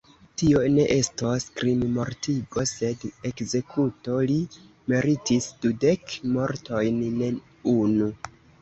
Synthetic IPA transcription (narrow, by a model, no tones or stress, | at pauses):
tio̞ne̞ʔe̞staskɾimmo̞ɾtʰiɡo̞se̞de̞kze̞kʰuto̞li | me̞ɾitisd̥ude̞kmo̞ɾtʰo̞jnne | unu